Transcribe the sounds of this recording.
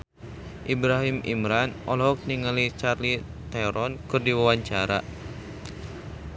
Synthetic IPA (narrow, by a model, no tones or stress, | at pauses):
ʔibɾaɦimḭmɾanɔlɔɦɔk̚niŋalit͡ʃarli | t̪eɾɔnkɨrdiwawaɲt͡ʃaɾa̰